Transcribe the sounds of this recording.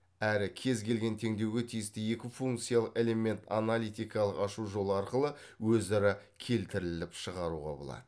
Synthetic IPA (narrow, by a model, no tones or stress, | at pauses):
æɾɪkʲʰe̞zɡʲe̞lɡʲe̞nt̪ʰe̞ŋd̪e̞wɡʲe̞t̪ʰijɪst̪ɪje̞kʲɪfuŋkt̪sijalˠəqe̞le̞me̞nt̪a̰nalʲijt̪ijkɑlˠəqɑʃuʒo̞lˠəɑɾqəlˠə | wɵzɑɾɑ | kʲʰe̞lt̪ɪɾɪlɪpʃəʁɑɾuʁɑ̰bolˠɑ̰d̪̥ə